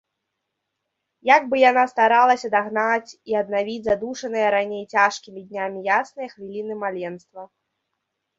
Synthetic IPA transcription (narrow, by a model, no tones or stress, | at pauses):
jaɡ̚bɨjanast̪aɾalˠɐsʲɐd̪aɣnat͡sʲiɐd̪navʲid͡zʲzad̪uʂɐnɨjɐɾanʲejt͡sʲaʂkʲimʲid̪ʲnʲamʲijasnɨjɐxvʲilʲinɨmalʲɛnst̪vɐ